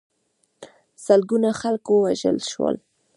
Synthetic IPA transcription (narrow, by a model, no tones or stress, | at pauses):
səlɡunaxalkowaʒə̰lʃwə̰l